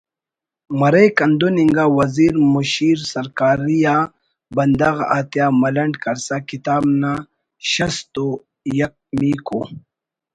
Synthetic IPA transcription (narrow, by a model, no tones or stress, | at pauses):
mɐɾekɐnd̪uniŋɡawɐziːɾmuɕiːɾsɐɾkaːɾija | bɐnd̪ɐɣa̰ːt̪jaːmɐlɐɳɖkɐɾsakit̪aːbna | ɕɐst̪o | jɐk̚miko̰